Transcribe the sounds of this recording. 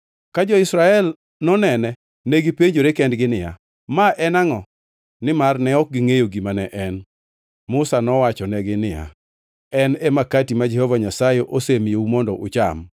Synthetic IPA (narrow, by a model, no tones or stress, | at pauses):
kad͡ʒɔɪsɾaɛl | nɔnɛnɛ | neɡipeɲd͡ʒoɾekɛndɡɪnɪja̰ | maʔɛnaŋɔ | nɪmarnɛɔk̚ɡɪŋejoɡimanɛʔɛn | mʊsanɔwat͡ʃɔnɛɡɪnɪja̰ | ɛnɛmakatimad͡ʒɛhɔvaɲasajeʔosemjeumɔndɔʔʊt͡ʃa̰m